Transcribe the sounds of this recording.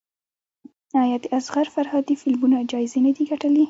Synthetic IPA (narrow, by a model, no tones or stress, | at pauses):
ɑjɑd̪eʔasɣaɾfaɾhɑd̪ifɪlmunad͡ʒɑjɪzenad̪iɡaʈəli